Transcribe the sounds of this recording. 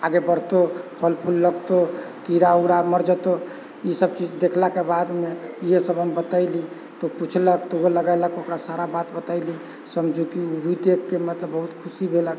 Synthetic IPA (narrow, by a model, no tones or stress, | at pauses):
aɡebəɾt̪opʰəlpʰulːəɡt̪o | k̪iɾauɽaməɾd͡ʒət̪o | isəb̚t͡ʃid͡ʒd̪ekʰlakebad̪meiɦesəbʱəmbət̪aɪli | t̪oput͡ʃʰləkt̪ooləɡaləkokɾasaɾabat̪bət̪aɪli | səmd͡ʒʱukiubʱid̪ekʰːemət̪ləbːəɦut̪kʰusibʱelək